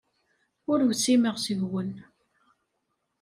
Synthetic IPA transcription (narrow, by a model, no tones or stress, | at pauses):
ʊɾwsiməʁsivwən